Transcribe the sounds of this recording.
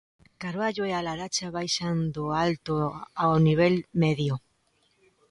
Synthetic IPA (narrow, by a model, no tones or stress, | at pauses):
kaɾβaʎoealaɾat͡ʃaβajʃand̪oalt̪oawniβ̞elmeðjo